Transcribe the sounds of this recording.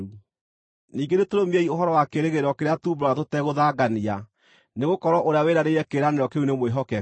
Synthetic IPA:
u | niːŋɡenetoɾomiɛioɦɔɾɔwakeɾeɣeɾɔkeɾeatuːmbɾɔatotɛɣoðaɡania | neɣokɔɾwɔʔoɾeaweɾaɾeɾɛkeɾaneɾɔkeunemweɦɔkɛ

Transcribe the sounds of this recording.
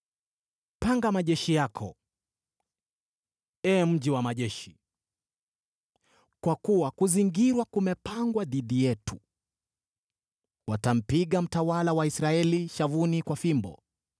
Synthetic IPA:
paŋɡamaʄɛʃijakʰɔ | ɛːm̩ʄiwamaʄɛʃi | kwakuwakuziŋɡiɾwakumɛpaŋɡwaðiɗijɛtu | watam̩piɠam̩tawalawaisɾaɛliʃavunikwafimbɔ̰

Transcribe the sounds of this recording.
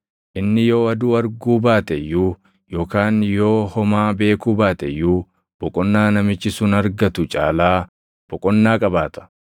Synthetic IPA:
ʔɪnːɪjo̞ːɐd̪uːɐɾɡuːbaːt̪ɛjuː | jo̞ːkaːnjo̞ːhɔmaːbe̞ːkuːbaːt̪ɛjuː | b̥ɔkʼɔnːaːnɐmɪt͡ʃːɪsʊnɐɾɡɐt̪ʊt͡ʃʼa̰ːlaː | b̥ɔkʼɔnːaːkʼɐbaːt̪ɐ̥

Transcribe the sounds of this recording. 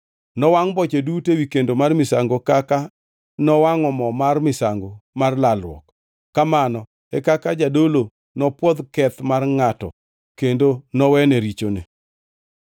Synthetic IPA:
nɔwaŋbɔt͡ʃedutewikendomarmɪsaŋɡokaka | nɔwaŋɔmɔmarmɪsaŋɡomarlalwɔ̰k | kːamanɔ | ɛkakad͡ʒadolo | nɔpwɔd̪kɛt̪marŋatɔ̰ | kendonɔwɛneɾit͡ʃonḛ

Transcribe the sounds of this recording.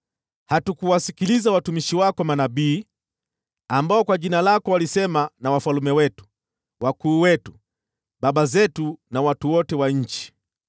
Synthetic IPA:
hatukuwasikilizawatumiʃiwakɔmanaɓiː | ambaɔkwaʄinalakɔwalisɛmanawafalumɛwɛtu̥ | wakuːwɛtu | ɓaɓazɛtunawatuwɔtɛwaɲ̩t͡ʃi̥

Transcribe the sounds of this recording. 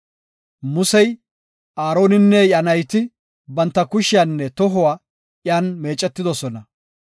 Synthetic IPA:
mʊsɛj | ʔaːɾo̞ːnɪnːɛjɐnɐjt̪ɪ | bɐnt̪ːɐkʊʃɪjanːɛt̪ɔɦɔwaː | ʔjaːnme̞ːt͡ʃʼːɛt̪ːɪd̪ɔsɔnɐ

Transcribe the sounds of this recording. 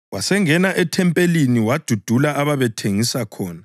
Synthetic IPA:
wasɛŋɛnaʔɛtʰɛmpʼeliniwad̥ʱud̥ʱulaʔaβaβɛtʰeŋisakʰɔːna

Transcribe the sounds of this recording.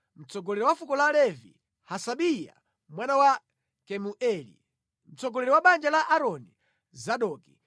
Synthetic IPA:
m̩t͡sɔɡɔlɛɾɛwafukɔlalɛvḭ | hasaɓija̰ | mwanawa | kɛmuʔɛlḭ | m̩t͡sɔɡɔlɛɾɔwaɓand͡ʒalaʔaɾɔni | zaɗɔːki

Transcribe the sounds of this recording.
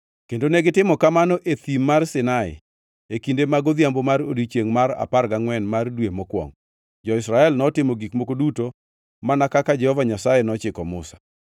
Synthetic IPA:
kendoneɡɪtɪmɔkamanɔʔet̪immːarsɪnaɪ̰ | ekindemaɡod̪jambomaɾodit͡ʃeŋmaɾa̰parɡaŋwɛnmardwemɔkwɔ̰ŋ | d͡ʒɔɪsɾaɛlnɔtɪmɔɡikmokoduto | manakakad͡ʒɛhɔvaɲasajenɔt͡ʃɪkɔmʊ̰sḁ

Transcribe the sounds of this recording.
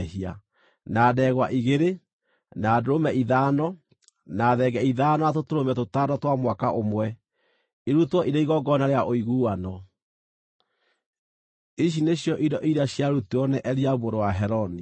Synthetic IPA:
hia̰ | naːdɛɣwaʔiɣeɾe | nadoɾomɛiðaːnɔ | naːðɛɣɛiðaːnɔatotoɾomɛtotadɔtwamwakaʔomwɛ | iɾutwɔʔiɾeiɣɔɡɔnaɾeaʔoiɣuːwanɔ | iɕ̬ineɕjɔʔidɔʔiɾaɕjaɾutuɔnɛʔɛɾiaβoɾowaɦɛɾɔni

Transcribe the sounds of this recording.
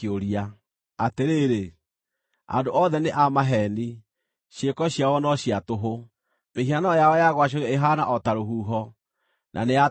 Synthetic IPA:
oɾia | ateɾeɾe | a̰ndoʔɔðɛneʔamaɦɛni | ɕekɔɕiawɔnɔɕiatoɦo | meɦianɔjaɔjaɣwaɕ̬oɣeeɦanaʔɔtaɾoɦuːɦɔ | nʔa̰nea

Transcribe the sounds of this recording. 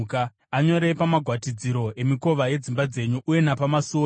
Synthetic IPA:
ka | aɲo̞ɾe̞pamaɡʱwatid͡ziɾo̞e̞miko̞ʋaje̞d͡zimbad͡ze̞ɲuʔːje̞napamasoː

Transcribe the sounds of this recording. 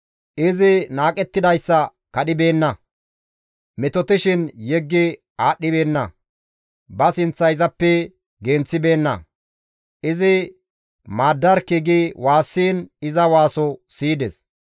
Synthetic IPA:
ʔɪzɪnaːkʼɛt̪ːɪd̪ɐjsːɐ | kɐɗɪbe̞ːnːɐ | mɛt̪ɔt̪ɪʃɪnjɛɡːɪ | aːɗːɪbe̞ːnːɐ | bɐsɪnt͡sːɐjzɐpːɛ | ɡent͡sːɪbe̞ːnːɐ̰ | ʔɪzɪ | maːd̪ːɐɾkɪɡɪwaːsːiːnɪzɐwaːsɔsiːd̪ɛs

